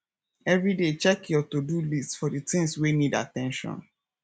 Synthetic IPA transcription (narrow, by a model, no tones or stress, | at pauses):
ɛvɹidet͡ʃɛkʰjɔtudulistfɔdɨtĩŋswinida̰tɛ̃nʃɔ̰̃n